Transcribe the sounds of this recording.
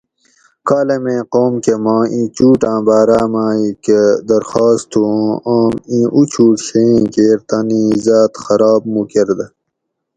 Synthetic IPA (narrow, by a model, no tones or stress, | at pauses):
kaːlemẽːqoːmkemãːĩːt͡ɕuːʈãːbaːɾaːmaːiked̪ɐɾxaːst̪ʰũaːmĩʔut͡ɕʰuːʈɕeĩkeːɾt̪anĩzaːt̪xɐɾaːbmukeɾd̪ɐ